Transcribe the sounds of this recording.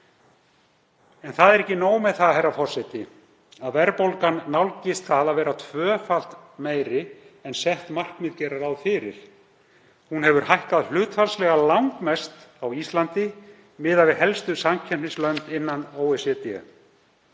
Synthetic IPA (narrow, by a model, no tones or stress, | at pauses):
ɛnθaðɛɾɛhcːɪnoːwmɛðθaðhɛrːafɔr̥sɛjt̪ɪ | aðvɛɾpowlkanːawlcɪst̪θaðaðvɛːɾat̪ʰvœːfal̥t̪meːjɾɪɛnsɛht̪mar̥kmɪðcɛɾaɾawðfɪːɾɪ̰ɾ̥ | hunhɛvʏɾ̥hajhkaðl̥ʏːt̪falslɛɣalawŋkmɛst̪awist̪lant̪ɪ | mɪːðavɪðɦɛlst̪ʏsamcʰɛ̥nɪslœnt̪ɪnːanoːwɛsɛt̪ɛ̰